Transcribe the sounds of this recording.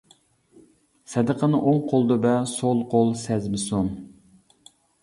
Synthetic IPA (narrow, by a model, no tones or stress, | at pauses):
sɛd̪əqʰənɨʔoŋqʰolˠd̪ɨbɛsolˠqʰolˠsɛzmɪson